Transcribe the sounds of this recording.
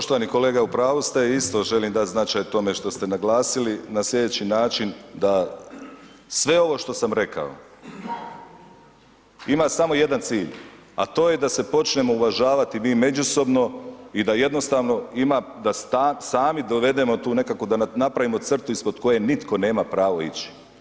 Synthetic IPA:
poʃt̪oaniko̞le̞ːɡaupɾaːʋust̪aist̪o̞ʒe̞limd̪at̪znat͡ʃajt̪o̞me̞ʃt̪o̞st̪e̞naɡlˠaːsilinaslʲʎʲe̞d̪et͡ɕinaːt͡ʃind̪a | sʋe̞o̞ʋo̞ʃt̪o̞samɾe̞ka̰o̰ | imasamo̞je̞d̪ant̪siːʎ | a̰t̪o̞ːje̞d̪ase̞po̞t͡ʃnemo̞uʋaʒaːʋat̪imiːme̞d͡ʑuso̞bno̞id̪aje̞d̪no̞st̪aːʋno̞imad̪asasaːmid̪o̞ʋe̞d̪e̞mo̞t̪uːne̞kako̞d̪anapɾaʋimo̞t̪sr̩t̪uispod̪ko̞je̞nit̪ko̞ne̞ːmapɾaːʋoit͡ɕi̥

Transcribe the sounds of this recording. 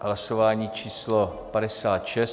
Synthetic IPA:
ɦlasovaːɲiːt͡ʃiːslopadɛsaːt̪ʃɛs

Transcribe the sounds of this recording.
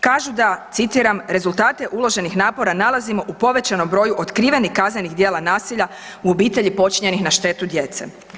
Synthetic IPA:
kaːʒud̪at̪sit̪iɾamɾe̞zulˠt̪aːt̪e̞ʔulˠo̞ʒe̞nixnaːpo̞ɾanalˠazimo̞ʔupo̞ʋe̞t͡ɕano̞mbɾo̞juʔot̪kɾiːʋe̞nihkaznenixd̪je̞ːlanaːsiʎa | uo̞biːt̪e̞ʎipo̞t͡ʃiɲe̞nixnaʃt̪e̞t̪ud̪je̞t̪se̞̰

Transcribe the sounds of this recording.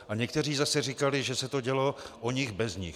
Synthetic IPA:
aɲɛkt̪ɛr̝iːzasɛrɪkalɪʒɛsɛt̪o̞ɟɛloʔoɲɪɣbɛzɲɪ̰x

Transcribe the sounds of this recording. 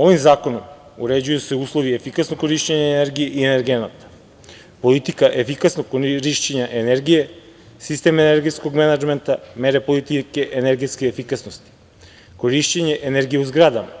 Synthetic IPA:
o̞ʋimzaːko̞nom | uɾed͡ʑujuseuːslˠo̞ʋiefikasnokkːo̞ɾiʃt͡ɕeɲaeneɾɡijeʔieneɾɡenat̪ḁ | po̞lit̪ikaʔefikasnoɡoɾiʃt͡ɕeɲaʔeneɾɡije̞ | sist̪emaeneɾɡet̪sko̞ɡmenad͡ʒment̪a̰meɾepo̞lit̪ikeʔeneɾɡet̪skeefikasnost̪i̥ | ko̞ɾiʃt͡ɕeɲe̞ʔeneɾɡijeuzɡɾad̪ama

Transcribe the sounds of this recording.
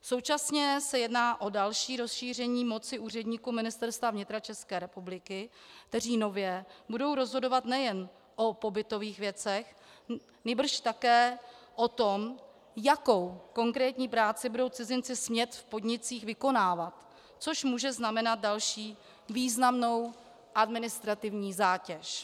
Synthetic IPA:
so̞wt͡ʃasɲɛsɛjɛdnaːʔo̞dalʃiːɾo̞sʃiːr̝ɛɲiːmo̞t͡sɪuːr̝ɛdɲiːkumɪnɪst̪ɛɾst̪vavɲɪt̪ɾat͡ʃɛskɛːɾɛpublɪkɪkt̪ɛriːno̞vjɛbudo̞wɾo̞zɦo̞do̞vat̪nɛjɛn | ʔo̞po̞bɪt̪o̞viːxvjɛt͡sɛx | nibr̩ʃt̪akɛːʔot̪o̞m | jakowko̞ŋkɾɛːt̪ɲiːpɾaːt͡sɪbudo̞wt͡sɪzɪnt͡sɪsmɲɛt̪fpo̞dɲɪt͡siːxvɪko̞naːvat̪ | t͡so̞ʃmuːʒɛznamɛnat̪̚dalʃiː | viːznamno̞w | ʔadmɪnɪst̪ɾat̪ɪvɲiːzaːcɛʃ

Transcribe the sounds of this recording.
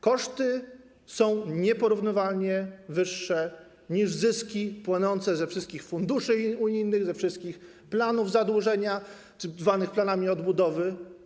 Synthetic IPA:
kɔʂt̪ɘ | sɔ̃w̃ɲɛpɔɾuvnɘvalɲɛvɘʂːɛ | ɲiʐzɘskʲipwanɔnt̪sɛzɛfʂɘst̪kʲixfund̪uʂɘuɲijnɘɣzɛfʂɘst̪̚kʲix | planuvzad̪wuʐɛɲa | t͡ʂ̪vanɘxplanamʲiɔd̪bud̪ɔvɘ

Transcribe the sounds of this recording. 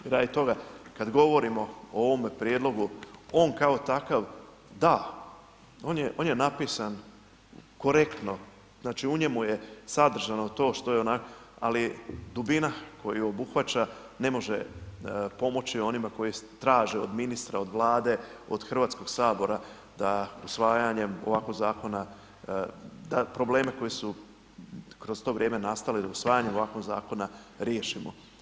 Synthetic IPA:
ɾajt̪o̞ɡakad̪ɡo̞ʋo̞ɾimo̞ooʋo̞mepɾʲje̞d̪lo̞ɡuo̞ːnkaot̪akaʋ | d̪a | o̞ːnjeʔo̞ːnjenapisan | ko̞ɾe̞kt̪no̞ | znaːt͡ʃiuɲe̞mujesad̪r̩ʒano̞t̪o̞ːʃt̪o̞jeonakoalid̪ubinakʰo̞jiobuxʋat͡ɕa | ne̞mo̞ʒe̞ | po̞mo̞t͡ɕio̞nimako̞jit̪ɾaːʒeod̪minist̪ɾao̞d̪ʋlˠaːd̪e̞o̞̰d̪̥xr̩ʋaːt̪sko̞ɡ̥saːbo̞ɾa | d̪ausʋaːjaɲe̞mo̞̰ʋaːkozaːko̞na | d̪apɾo̞ble̞ːmeko̞jisu | kɾo̞zt̪o̞ːʋɾjeːme̞nast̪alid̪ausʋaːjaɲemo̞ʋaːkonza̰ːko̞naɾjeːʃimo̰

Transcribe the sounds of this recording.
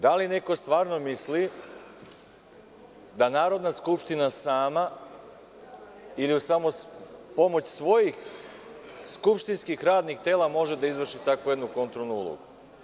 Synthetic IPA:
d̪aline̞ko̞st̪ʋaːɾno̞misli | d̪anaːɾo̞d̪naskupʃt̪inasaːma | iliusamopo̞mo̞t͡ɕsʋo̞jix | skupʃt̪inskixɾaːd̪nixt̪e̞ːlamo̞ʒe̞d̪aizʋr̩ʃit̪akoje̞d̪nuko̞nt̪ɾolˠnuṵlˠo̰ɡu

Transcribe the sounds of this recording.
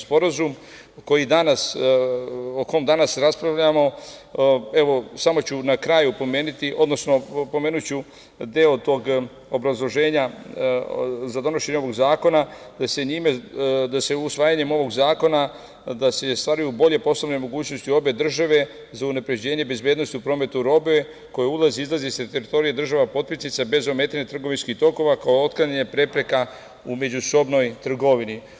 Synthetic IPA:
spo̞ɾazum | ko̞jid̪anas | oko̞omd̪anasɾaspɾaʋʎamo̞ | e̞ʋo̞samo̞t͡ɕunakɾaːjupo̞me̞ːnit̪iʔo̞d̪nosno̞po̞meːnut͡ɕu | d̪eot̪o̞ːɡ | o̞bɾazlˠo̞ʒe̞ːɲa | zad̪o̞no̞ʃe̞ɲeoʋo̞ɡzaːko̞na | d̪̥ase̞ɲimed̪ase̞usʋaːjaɲe̞mo̞ʋo̞ɡzaːko̞na | d̪asest̪ʋaɾujubo̞ʎe̞po̞slˠoʋnojmo̞ɡuːt͡ɕnost̪io̞be̞d̪r̩ʒaʋe̞ | zaunapɾe̞d͡ʑe̞ːɲe̞be̞zbjeːd̪nost̪iupɾo̞ːme̞t̪uɾo̞be̞ | ko̞jeulˠaziizlˠazist̪et̪eɾit̪o̞ɾie̞d̪r̩ʒaʋapo̞t̪̚pisnit̪sabe̞zo̞me̞ːt̪aɲat̪ɾr̩ɡo̞ʋinskiht̪o̞ko̞ʋakaoot̪̚klaɲaɲepɾe̞pɾe̞ka | ume̞d͡ʑuso̞bno̞jt̪r̩ɡo̞ʋini

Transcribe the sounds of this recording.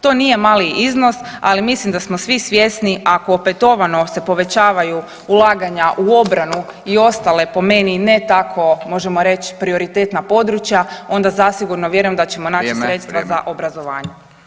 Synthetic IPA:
t̪o̞nije̞maːliizno̞sa̰limislimd̪asmosʋisʋjesniakoːpe̞t̪o̞ʋano̞se̞po̞ʋe̞t͡ɕaːʋaju | ulˠaːɡaɲaʔuo̞bɾanu | io̞st̪ale̞po̞me̞nine̞t̪akʰo̞mo̞ʒe̞mo̞ɾe̞t͡ɕpɾio̞ɾit̪eːt̪napo̞d̪ɾut͡ʃjao̞nd̪azasiɡuɾnoʋje̞ɾujemd̪at͡ɕe̞mo̞naːt͡ʃisɾɾe̞t̪st̪ʋaza̰ʔo̞bɾazo̞ʋaːɲe

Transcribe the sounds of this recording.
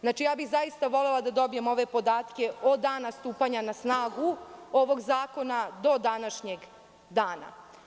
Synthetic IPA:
znaːt͡ʃijaːbiɣzajist̪aʋo̞lelˠad̪ad̪o̞bijemo̞ʋe̞po̞d̪aːt̪ke̞od̪aːnast̪uːpaɲanasnaːɡuo̞ʋo̞ɡzaːko̞nad̪o̞d̪anaʃɲeɡ | d̪aːna̰

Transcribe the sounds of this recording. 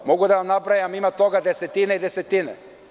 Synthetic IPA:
moɡud̪aanabɾajamimat̪oɡad̪ɛsɛt̪inaid̪ɛsɛt̪inɛ̰

